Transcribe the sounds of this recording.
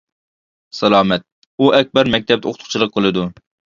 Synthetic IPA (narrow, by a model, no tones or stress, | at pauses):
sɛlˠɑːmɛt̪̚ | uʔɛk̚ʲbɛɾmɛk̚ʲt̪ʰɛp̪̚ɛoqʊt̪ʊ̥χt͡ʃʰlˠəq̚qɨlˠɨd̪u